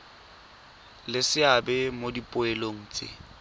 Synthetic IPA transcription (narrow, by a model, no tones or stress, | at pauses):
lɪsɪabɛmodipʼʊeloŋ̩ːt͡sʼḛ